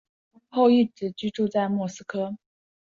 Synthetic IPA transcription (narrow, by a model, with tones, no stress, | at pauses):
xo˥˧ʊi˥˩ʈ͡ʂɻ̩˨˩t͡ɕy˥ʈ͡ʂu˥˧t͡sa˥˧ɪmwɔ˥˩sɹ̩˥kʰɤ˥